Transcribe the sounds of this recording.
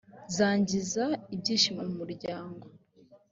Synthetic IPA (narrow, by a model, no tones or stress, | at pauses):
zaːɲɟizaibɟiːʃimamumuɾɟaːŋɡo̞